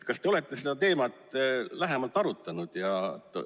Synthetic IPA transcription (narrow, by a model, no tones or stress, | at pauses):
t̪kɑst̪e̞o̞le̞t̪ˑːe̞sed̪ɑt̪e̞ːmɑt̪ːˑlæɦemɑlt̪ːˑɑɾut̪ːˑɑnud̪̥jɑt̪ːˑ